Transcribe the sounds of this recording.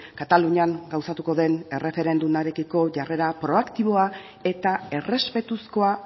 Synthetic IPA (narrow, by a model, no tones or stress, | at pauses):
kat̪aluɲiaŋɡawsat̪uko̞ðe̞ne̞re̞fe̞ɾe̞nd̪umaɾe̞kiko̞ʝare̞ɾapɾo̞akt̪iβ̞o̞a | e̞t̪ae̞re̞spe̞t̪usko̞a